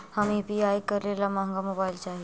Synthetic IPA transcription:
hamibiajkəɾlelamãŋɡamobajlt͡ɕaɦi

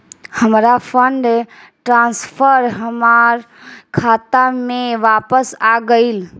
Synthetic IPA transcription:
həmɾapʰəɳɖ | ʈɾãnspʰəɾɦəmaɾ | kʰat̪ameʋapəsaɡəɪl

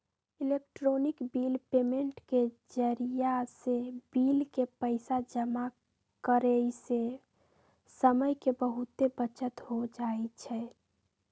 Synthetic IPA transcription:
ɪlekʈɾoːnɪkbiːlpeːmẽɳʈke | d͡ʒəɾijasebiːlkepəɪsad͡ʒəma | kəɾeise | səməjkebəɦʊt̪ːebət͡ʃət̪ɦod͡ʒaet͡ʃʰɛ

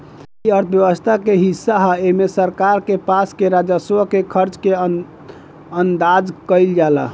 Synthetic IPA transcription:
iəɾt̪ʰəbjəʋəst̪ʰakeɦisːaɦaemesəɾkaɾkepaskeɾad͡ʒaskekʰəɾt͡ʃke | ənd̪ad͡ʒkəɪld͡ʒalə̰

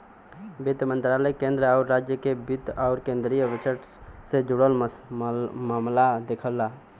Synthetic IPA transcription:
bit̪mə̃nt̪ɾaləkẽnd̪ɾəaʊɾːaːd͡ʒjəkebit̪aʊɾkẽːnd̪ɾijəʋɪt͡ʃəʈ | sed͡ʒʊɽəlməsmaːmlad̪ekʰəlːa

